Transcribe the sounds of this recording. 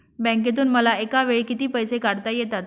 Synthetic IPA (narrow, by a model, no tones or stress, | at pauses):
bɛ̃ŋk̬et̪̬uːnməlaekaʋeɭiːkit̪iːpəjsekaɽt̪ajet̪at̪